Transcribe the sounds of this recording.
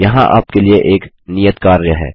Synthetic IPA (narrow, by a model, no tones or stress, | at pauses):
jɐɦãʔa̰ːp̚kelieʔeːk | nijət̪kaːɾjəɦɛ̰ː